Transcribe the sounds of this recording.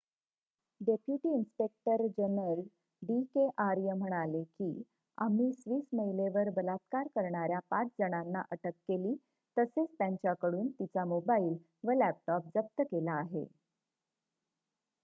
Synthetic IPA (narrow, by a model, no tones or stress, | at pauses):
ɖepjuʈiːinspek̚ʈəɾd͡ʑənəl | ɖikeʔaɾjəm̤əɽ̃alekiː | a̰m̤iːsʋiːsməjleʋəɾbəlat̪kaɾkəɾɳaɾjapat͡sd͡zəɽ̃anːa̰ʔəʈəkːeliː | t̪əset͡st̪jãɲt͡ɕjakəɽuːnt̪it͡samobaiːl | ʋəlæp̚ʈɔp̚d͡zəp̚t̪əkelaːɦḛ